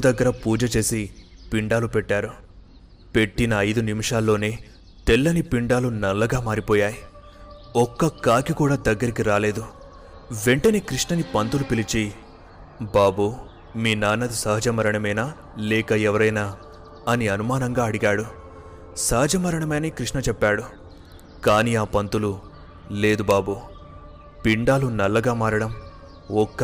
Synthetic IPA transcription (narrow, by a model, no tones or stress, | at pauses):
ud̪ɐɡːɐɾɐpuːd͡ʒɐt͡ʃe̞ːsi | piɳɖaːlupɛʈːaːɾu | pe̞ʈːinɐɐjd̪unimiʂaːlːo̞ːneː | t̪elːɐnipiɳɖaːlunɐlːɐɡaːmaːɾipɔːjaːji | ɔkːɐkaːɡikuːɽaːd̪ɐɡːɐɾik̬iɾaːle̞ːd̪u | ʋe̞ɳʈɐneːkɾiʂnɐnipɐnt̪ulupilit͡ʃi | baːbu | miːnaːnːɐd̪isɐɦɐd͡ʒɐmɐɾɐɳɐmɐjnaː | lɛːkɐɛʋɐɾɐjnaː | ɐniɐnumaːnɐŋɡaːɐɽiɡaːɽu | sɐɦɐd͡ʒɐmɐɾɐɳɐmɐjnɐkɾiʂɳɐt͡ʃɛpːaːɽu | kaːniːaːpɐnt̪ulu | leːd̪ubaːbuː | piɳɖaːlunɐlːɐɡaːmaːɾɐɽɐm | ɔkːɐ